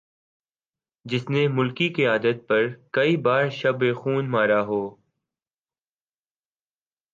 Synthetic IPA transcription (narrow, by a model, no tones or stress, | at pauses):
d͡ʒɪsnemʊlkikeaːd̪ət̪̚pɐɾkɐibaːɾʃɐbexuːnmaːɾaɦoː